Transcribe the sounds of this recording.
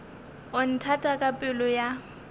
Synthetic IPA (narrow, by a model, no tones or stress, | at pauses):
ʊn̩tʰatʼakʼapʼɪlʊja